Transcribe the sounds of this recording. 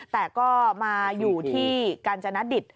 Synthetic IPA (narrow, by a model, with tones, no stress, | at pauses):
t̪ɛː˨˩kɔː˥˩maː˧juː˨˩t̪ʰiː˥˩kaː˧nt͡ɕa˧na˦˥di˨˩t̪̚